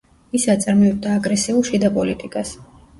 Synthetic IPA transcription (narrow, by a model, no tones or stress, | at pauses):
isat̪sʼaɾmɔɛb̚d̪aːɡɾɛsiulˠʃid̪apʼɔlit̪ʼikʼas